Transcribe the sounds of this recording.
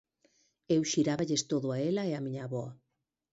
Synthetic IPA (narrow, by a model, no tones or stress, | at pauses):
ewʃiɾaβaʎest̪oðʊaelaeamiɲaβɔa